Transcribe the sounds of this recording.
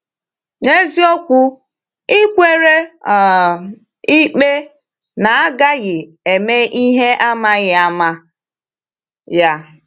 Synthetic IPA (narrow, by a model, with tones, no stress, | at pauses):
ŋe˦zi˦o˦kʷʊ˦ | ɪ˦kʷe˦ɾe˦˨ | i˦k͡pe˦ | na˨a˦ɡa˦ɣɪ˨ | e˨me˦ʔi˦ɦe˦ʔa˦ma˦ɣɪ˨a˦ma˦ | ja˦